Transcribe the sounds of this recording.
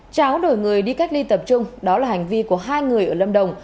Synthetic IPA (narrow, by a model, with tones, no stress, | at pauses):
t͡ɕaː˨˦wɗo̰˧˩jŋɨ˨˩əjɗi˧ka˦˥jk̟̚li˧t̪ə˨˩p̚t͡ɕʊ˧ŋ͡mɗɔ˨˦laː˨˩ɦa˨˩ŋ̟vi˧ku˧˩əɦaː˧jŋɨ˨˩əjʔəː˧˩lə˧mɗə˨˩wŋ͡m